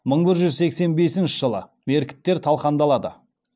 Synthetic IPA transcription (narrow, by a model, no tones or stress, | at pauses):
məɴbɪɾʒʏzse̞kse̞nbe̞sɪnʃɪʒəlˠə̰ | me̞ɾkʲɪ̥t̪ːe̞ɾt̪ʰɑlˠqɑnd̪ɑlˠɑd̪ə̰